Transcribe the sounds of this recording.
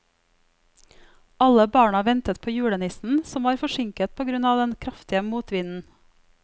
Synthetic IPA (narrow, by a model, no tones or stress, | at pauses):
ʔɑləbɑːɳɑʋɛnt̪ət̪̚pʰoːjʉːɽənɪsn̩sɔmʋɑːɾfɔʃɪŋkət̪̚pʰoːɡɾʉnɑːʋd̪ɛnkʰɾɑft̪ɪəmuːt̪ʋɪnn̩